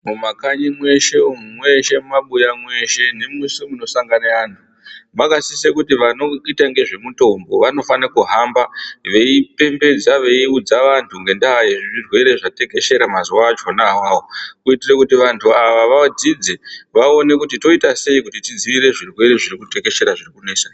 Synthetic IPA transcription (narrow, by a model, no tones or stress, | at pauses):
mumakaɲimwe̞ʃe̞umumwe̞ʃe̞mmaɓujamwe̞ʃe̞ne̞musimuno̞saŋɡanaantʰu | makasisekutiʋano̞itaŋɡe̞ʐe̞muto̞mbo̞ʋano̞fanakuɦambaʋe̞ipe̞mbe̞d͡zaʋe̞iud͡zaʋantʰuŋɡe̞ndaɦjeʐiʐirwe̞ɾe̞ʐate̞ke̞ʃe̞ɾamaziwad͡ʒo̞nawawokuitirekutiʋantʰuaʋaʋad͡zid͡zeʋao̞ne̞kutito̞itase̞ikutitid͡ziʋiɾe̞ʐirwe̞ɾe̞ʐirikuteke̞ʃe̞ɾaʐirikune̞ːsa